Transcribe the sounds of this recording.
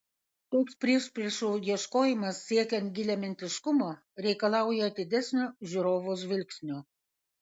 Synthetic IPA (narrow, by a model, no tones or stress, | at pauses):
t̪oːkspʲɾʲiɛʃʲpʲɾʲiɛʃujiɛʃkoːjɪmɐsːʲiɛkʲɛnt̪̚ɡʲɪlʲɛmʲɛnʲt̪ʲɪʃkʊmoː | ɾʲɛɪkɐlˠɑˑʊjɛd̪ʲɪd̪ʲæsʲnʲoːʒʲuɾoːʋos̬ʋʲɪlʲksʲnʲoː